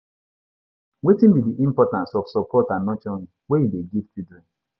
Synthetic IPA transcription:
wetim̩bidiʔim̩pɔtãnsɔfsɔpɔtanɔt͡ʃɔnuwejideɡivtidɾin

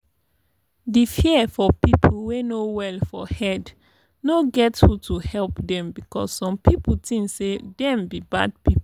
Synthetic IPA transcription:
difiɛfɔpipʰl̩wenowɛlfɔhɛd | noɡɛthutʰuhɛlpdɛ̃mbikɔ̰sːɔ̃mpipl̩tĩŋsedɛ̃mbiba̰d̚pip

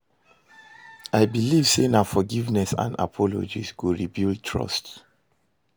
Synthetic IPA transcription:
aɪbiliv̥senafɔɡivnɛsã̰nda̰pʰɔlo̰d͡ʒḭsɡuɹibild̚tʰɹɔ̰st

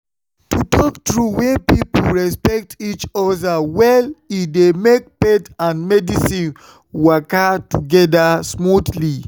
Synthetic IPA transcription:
tutʰɔktɹuwɛ̃npipoɹɛspɛk̚tʰit͡ʃɔdawɛlidemek̚pɛtãnmɛdisĩn | wakatuɡɛdasmudli

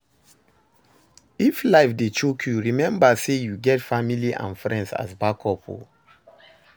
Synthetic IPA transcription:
iflaɪfdet͡ʃokʰjuɹimɛ̃mbasejuɡɛtfamiliʔã̰nfɹɛ̰̃ndsa̰sbakʰɔpʰo̰

